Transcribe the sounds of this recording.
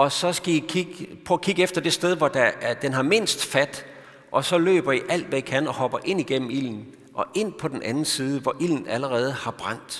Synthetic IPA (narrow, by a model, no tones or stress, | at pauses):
ɒ̽sɒ̽sɡ̥æikʰiɡ̥pʰɔkʰiɡ̥efd̥ɐd̥e̝sd̥eð̞ˠʋɒd̥æd̥enɦɑ̈me̝n̰sd̥fæd̥ | ʔɒ̽sɒ̽lø̰ːb̥ɐiʔæl̰d̥ʋæikʰæn̰ɒ̽hɒ̽b̥ɐʔe̝n̰iɡ̥em̰m̩il̰n̩ | ʔɒ̽ʔe̝n̰pʰɒ̽d̥en̩ʔænn̩siːð̞ˠəʋɒʔil̰n̩æləʁɛːð̞ˠəhɑ̈b̥ʁɑ̈n̰d̥